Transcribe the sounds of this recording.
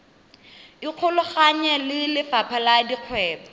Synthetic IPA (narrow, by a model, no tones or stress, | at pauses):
iq͡χʰʊlʊχaɲɛlɪlɪfapʰaladiq͡χʰwɛːba